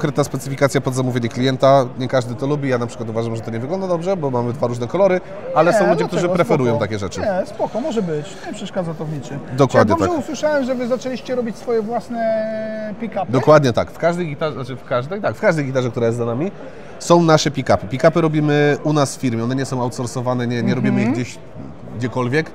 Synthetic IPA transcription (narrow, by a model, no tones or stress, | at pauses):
ŋkɾɛt̪naspɛt̪sɘfʲikat̪sʲjapɔd̪zamuvʲjeɲɛklʲijɛnt̪aɲɛkaʐd̪ɘt̪ɔlubʲijanapʂkwat̪uvaʐamʐɛt̪ɔɲɛvɘɡlɔnd̪ad̪ɔbʐɛbɔmamɘd̪vaɾuʐnɛkɔlɔɾɘ | alɛsɔ̃w̃lud͡ʑɛk̚t̪uʐɨpɾɛfɛɾujɔw̃t̪akʲɛʐɛt͡ʂɘɲɛspɔkɔmɔʐɛbɘt͡ɕɲɛpʂɛʂkad̪zat̪ɔvɲit͡ʂɘd̪ɔkwad̪ɲɛɔaɛuswɘʂawɛmʐɛvɘzat͡ʂɛlʲiɕt͡ɕɛɾɔbʲit͡ɕsfɔjɛvwasnɛpʲikapd̪ɔkwad̪ɲɛt̪a̰kfkaʐd̪ɛjɡʲit̪anat͡ʃɘfkaʐd̪ɛjt̪akfkaʐd̪ɛjɡit̪aʐɛk̚t̪uɾajɛst̪zanamʲi | sɔ̃w̃naʂɛpʲikapɘpʲikapɘɾɔbʲimɘunasffʲiɾmʲjɛɔnɛɲɛsɔ̃w̃awt̪sɔɾsɔvanɛɲɛɲɛɾɔbʲimɘiɣɡd͡ʑeɕ | ɡ̚d͡ʑɛkɔlvʲjɛk